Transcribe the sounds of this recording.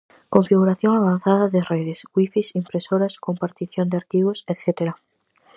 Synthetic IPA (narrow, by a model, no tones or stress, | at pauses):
koɱfiɣ̞uɾaθjoŋaβ̞an̟θaðaðereðesɡwifisimpɾesoɾaskompaɾt̪iθjond̪eaɾt̪iβoset̪θet̪eɾa